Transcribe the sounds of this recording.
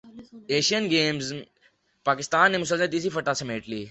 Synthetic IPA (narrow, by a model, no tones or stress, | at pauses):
eːʃijənɡeːmz | paːkɪst̪aːnːẽːmʊsəlzt̪iːsifɐʈaːsɐmeːʈliː